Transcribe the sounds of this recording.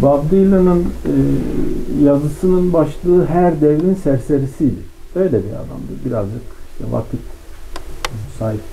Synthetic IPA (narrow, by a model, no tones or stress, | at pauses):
babd̪ɯjlʲˠanɯn | jazɯsɯnɯnbaʃlˠɯːɦæɾd̪ɛvɾinsæɾseɾisijlʲɛ | ø̞jlʲɛbiɾa̰d̪a̰md̪ɯbiɾazd͡ʒɯkʃt̪ʰɛ̰va̰t̪ʰik | saːɦip